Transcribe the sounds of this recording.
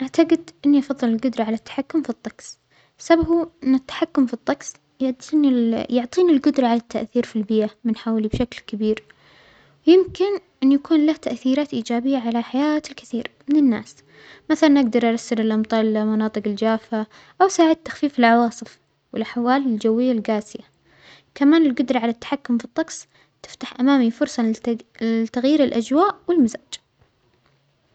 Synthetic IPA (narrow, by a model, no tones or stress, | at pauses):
ʔaʕt̪aɡɪd̪ʔɪnːiʔɑfɑðˤːɨlɪlɡʊd̪ɾˤɑʕalat̪ːḁħakːʊmfit̪ˤːɑɡs | sababuɪnːɪt̪ːḁħakːʊmfit̪ˤːɑɡs | jʊʕt̪injʊʕt̪ˤiːnilɡʊd̪ɾˤɑʕalat̪ʰːaʔθiːɾfilbɪːʔamɪnħaːwlibʃaklkabiːɾ | wjɪmkɪnʔɪnːjakuːnlaht̪aʔθiːɾaːt̪ʔiːd͡ʒaːbɪjːaʕalaħajaːt̪ɪlkɪθiːɾmɪnɪnːa̰ːs | maθalanʔaɡd̪ɑɾˤʔɑɾˤɑsːɪɾɪlʔɑmt̪ˤɑːlamɑnɑːt̪ˤɨqɪld͡ʒaːfa | ʔawsaːʕɪd̪̚t̪ːḁxfiːfɪlʕɑwɑːsˤɨf | wɪlħwaːlɪld͡ʒawːɪjːalɡaːsɪja | kamaːnɪlɡʊd̪ɾˤɑʕalat̪ːḁħakːʊmfit̪ˤːɑɡsˤ | t̪ɪ̥ft̪aħʔamaːmifʊɾsˤɑ | t̪aɣjiːɾɪlʔad͡ʒwaːʔwɪlmazaːd͡ʒ